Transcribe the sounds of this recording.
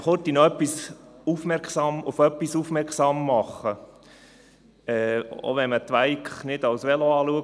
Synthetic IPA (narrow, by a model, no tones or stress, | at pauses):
χɔt̪inoœpːisufmɛɾkχsɑmʊfœpːisufmɛɾkχsɑːmːɑχə | ɛːo̰ʋɛnmət̪ʋæɪkχnɪd̥ɑwsʋɛloɑːluək